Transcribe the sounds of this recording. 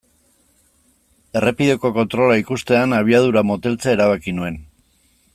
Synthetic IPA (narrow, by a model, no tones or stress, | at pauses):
e̞repiðe̞ko̞ko̞nt̪ɾo̞laikust̪e̞anaβ̞iað̞uɾamo̞t̪e̞lt͡sae̞ɾaβ̞akinue̞n